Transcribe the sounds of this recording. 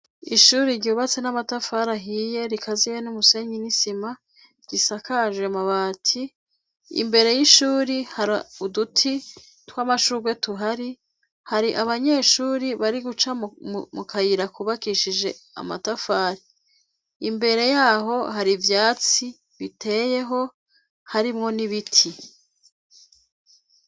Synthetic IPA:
iʃuːɾiɾɟuːβat͡se̞namatafaɾaɦije̞ɾikʰazijenumuse̞ɲinisima | ɟ̥isakʰaʒwemaβaːtʰi | ḭmbe̞ɾe̞jiʃuːɾihaɾaudutʰi | twamaʃuɡwe̞tuɦaɾi | haɾiʔaβaɲe̞ːʃuːɾiβaɾiɡut͡ʃamukʰajiɾakuβakiʃid͡ʒe̞̰a̰ma̰tafaːɾi | imbe̞ɾe̞jaːɦo̞haɾivjaːt͡si | βitʰe̞ːje̞ɦo̞ | haɾimŋo̞niβitʰi

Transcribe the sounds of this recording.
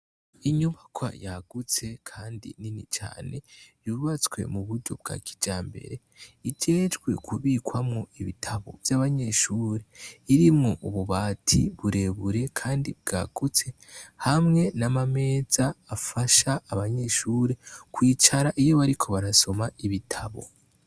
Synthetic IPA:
iɲuβakʰwa̰jaɡ̥ut͡se̞kʰaːndḭninit͡ʃa̰ːne̞juβat͡swe̞̰muβuɾɟo̞̰b̚ɡa̰ki̥d͡ʒaːmbe̞̰ɾe̞ | id͡ʒe̞ːd͡ʒɡwe̞̰kʰuβiːkwamŋo̞iβitʰaβo̰vjaːβaɲe̞ʃuɾe̞iɾimŋo̞ʔuβuβaːtʰiβuɾe̞βuɾe̞kʰaːndib̚ɡa̰ːɡ̥ut͡se̞ | hamŋe̞namame̞ːzaːfaʃaːβaɲe̞ʃuɾe̞kwiːt͡ʃaɾaʔijo̞βaɾikʰo̞βaɾaso̞maiβitʰaβo̞̰

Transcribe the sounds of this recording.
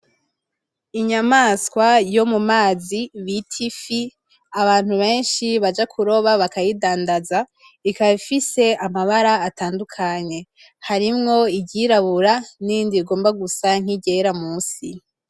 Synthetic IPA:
iɲamaskwajo̞mumaːziβitʰifi | aβaːn̥huβe̞ːnʃiβad͡ʒakʰuɾo̞βaβakajidaːndaza | ikaβifise̞amaβaɾaːtaːndukʰaɲe̞ | haɾimŋo̞iɟiɾaβuɾanindiɡo̞ːmbaɡusaŋ̥iɟe̞ɾamuːsi

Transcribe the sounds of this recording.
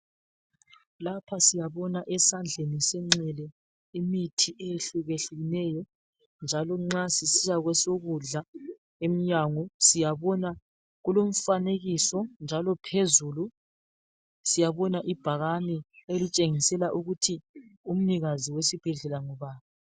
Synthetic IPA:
lapʰasijaβɔnaʔɛsand͡ɮʱenisɛŋ͡ǀɛlɛ | imitʰiʔejeɬuɣeɬuɣinɛːjɔ | nd͡ʒʱalɔŋ͡ǁasisijaɣwɛsoɣuɮa | emijaŋɔsijaβɔna | ɣulom̩faneɣisɔnd͡ʒʱalɔpʰezuːlu | sijaβɔnaʔib̥ʱaɣanɛelit͡ʃʼeŋisɛlaʔuɣutʰium̩niɣaziwesib̥ʱɛɮɛlaŋɔβaːβa

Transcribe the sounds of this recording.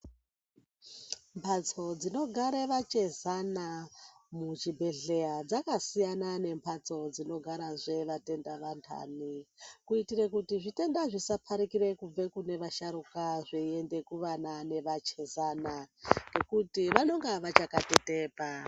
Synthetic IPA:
mpʰat͡sod͡zino̞ɡʱaɾeʋat͡ʃezanamut͡ʃibʱe̞ɮead͡zakasijanane̞mpʰat͡so̞d͡zino̞ɡʱaɾaʐe̞ʋate̞ndaʋantʰa̰nikuitiɾekutiʐite̞ndaʐisapʰaɾikiɾe̞kub͡vekune̞ʋaʃaɾukaʐeende̞kuʋanane̞ʋat͡ʃe̞zanaŋɡe̞kutiʋanoŋɡaʋat͡ʃakateteːpa

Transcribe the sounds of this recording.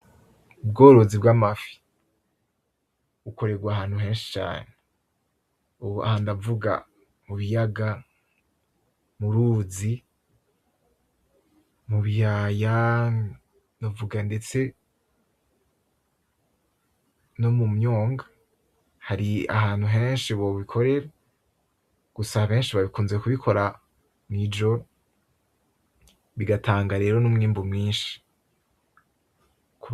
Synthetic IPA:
ub̚ɡo̞ːɾo̞zibɡamafi̥ | uko̞ɾe̞ɡwaɦaːn̥huɦe̞ːnʃi̥t͡ʃa̰ːne | ua̰handavuɡa̰ | muβijaɡa | muɾuzi | muβijaja | novuɡande̞t͡se̞ | nomumɲoːŋɡa | haɾia̰ɦaːnhuɦe̞ːnʃiβo̞βikʰo̞ɾe̞ɾa | ɡ̥usaβe̞ːnʃiβaβikuːnze̞kuβikʰo̞ɾa | mid͡ʒo̞ | βiɡatʰaːŋɡaɾe̞ːɾo̞numŋiːmbumŋiːnʃi̥ | ku

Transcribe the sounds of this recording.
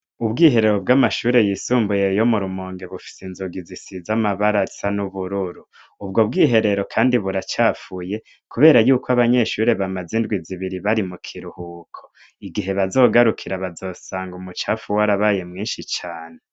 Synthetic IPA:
ubɡiːɦe̞ɾe̞ɾo̞bɡamaʃuːɾe̞jiːsuːmbuje̞jo̞muɾumoːŋɡe̞βufi̥senzuɡizisizamaβaɾasanuβuɾuɾuː | b̚ɡo̞b̚ɡiːɦe̞ɾe̞ɾo̞kʰaːndiβuɾat͡ʃaːfuje̞ | kuβe̞ːɾajuːkoaβaɲe̞ʃuːɾe̞βamazindɡwiziβiɾiβaɾimukʰiɾuhuːkʰo | iɡiɦe̞βazo̞ːɡaɾukʰiɾaβazo̞ːsaːŋɡumut͡ʃaːfuwaɾaβaːje̞mŋiːnʃit͡ʃaːne

